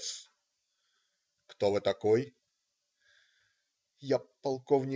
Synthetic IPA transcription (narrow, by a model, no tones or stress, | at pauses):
s | kt̪ovɨt̪ɐkoj | japɐlˠkovnʲɪ